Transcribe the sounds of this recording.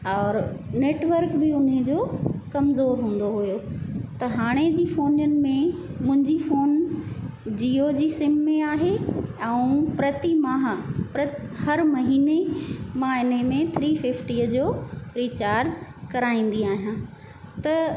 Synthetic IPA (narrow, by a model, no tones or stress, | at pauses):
ɔːɾneːʈʋəɾkbɪʊned͡ʑoːkɐmzoːɾɦũːn̆d̪oɦʊjot̪ɐɦaːɽ̃ed͡ʑiːfoːnjənɪ̆mẽmʊ̃ɦɪ̃ɲd͡ʑifoːn | d͡ʑiːod͡ʑiːsɪmːẽaːɦeɛ̃ũpɾɐt̪imaːɦpɾɐhɐɾmɐɦiːnemãːɪnemẽt̪ʰɾiːfɪfʈiːəd͡ʑoːɾiːt͡ɕaːɾd͡ʑkɐɾaːĩːn̆d̪iaːɦijãː | t̪ɐ